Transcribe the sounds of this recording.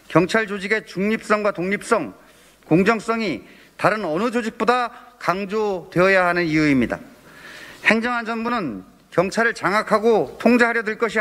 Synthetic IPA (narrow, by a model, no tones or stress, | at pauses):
kjʌŋt͡ɕʰaɭd͡ʑod͡ʑiɡe̞t͡ɕuŋɲip̚s͈ʌŋɡwatoŋɲip̚s͈ʌŋ | koŋd͡ʑʌŋs͈ʌŋi | taɾɯnʌnɯd͡ʑod͡ʑik̚p͈odakaŋd͡ʑotwe̞ʌjaɦanɯnijuimɲida̰ | he̞ŋd͡ʑʌŋɦand͡ʑʌnbunɯn | kjʌŋt͡ɕʰaɾɯɭt͡ɕaŋakʰaɡotʰoŋd͡ʑaɦaɾjʌdɯɭk͈ʌɕʰi